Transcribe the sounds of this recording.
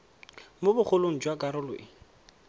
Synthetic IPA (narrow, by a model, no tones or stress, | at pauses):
mobʊχʰʊloŋ̩d͡ʒwakʼaɾʊlwḛʔɪ